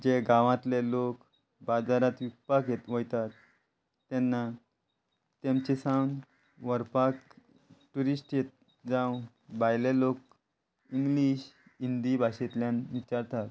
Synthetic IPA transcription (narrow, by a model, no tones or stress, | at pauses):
d͡ʑeɡaʋãt̪lelok | bad͡zaɾat̪ʋik̚pakjet̪ʋəjt̪at̪ː | ɛnːa | t̪jamt͡ɕesãwn | ʋəɾpak | ʈuɾisʈjet̪̚ | d͡zãw | bajlelok̚ | iŋɡliɕind̪ibʱaɕet̪ljãnʋit͡ɕaɾt̪at̪